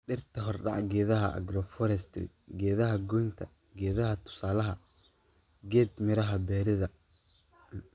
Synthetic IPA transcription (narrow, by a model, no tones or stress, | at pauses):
ɖɪrt̪ʰɐɦɔrɖɑ̰ʕɡɛːðɐɦɐʔɐ̰ɡrɔfɔɾɛst̪ʰɪ̰ | ɡɛːðɐɦɐɡɔjnt̪ʰɐ̰ | ɡɛːðɐɦɐt̪ʰʊ̥saːlɐɦɐ | ɡɛːd̪mɪɾɐɦɐbɛːɾɪðɐ